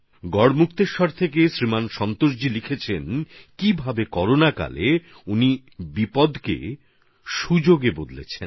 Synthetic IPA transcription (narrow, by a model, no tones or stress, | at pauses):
ɡɔɽmukt̪eɾʃɔɾt̪ʰekeʃɾimanʃɔnt̪oʃ̬d͡ʑilikʰet͡ɕʰenkibʱabekɔɾonaka̰le | uni | bipɔd̪kḛ | ʃud͡ʑoɡebod̪lḛt͡ɕʰen